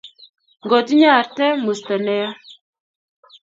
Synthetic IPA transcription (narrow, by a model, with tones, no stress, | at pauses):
ŋɡɔ˨ti˦ɲa˦˨ɾtɛ˦mu˨sta˨nɛ˦ja˦